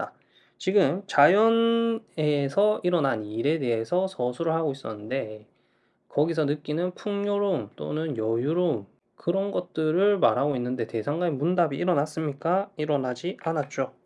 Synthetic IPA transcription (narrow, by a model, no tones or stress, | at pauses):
a | t͡ɕiɡɯmt͡ɕajʌnesʰʌiɾʌnaniɾe̞de̞ɦe̞sʰʌsʰʌsʰuɾɯɭhaɡois͈ʌnːɯnde̞ | kʌɡis̬ʰʌnɯk͈inɯnpʰuŋɲoɾumt͈o̰nɯnjʌjuɾum | kɯɾʌnɡʌt̚t͈ɯɾɯɭmaɾɦaɡoinːɯnde̞te̞sʰaŋɡaimundabiʔːɾʌnas͈ɯmɲik͈aiɾʌnad͡ʑianat̚t͡ɕ͈o